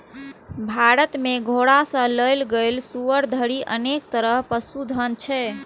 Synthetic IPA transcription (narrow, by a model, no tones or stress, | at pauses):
bʱaɾət̪meɡʱoɽasə̃ləjlɡelsuʋəɾd̪ʱəɾiʔənek̚t̪əɾəɦpəsud̪ʱənt͡ʃʰɛ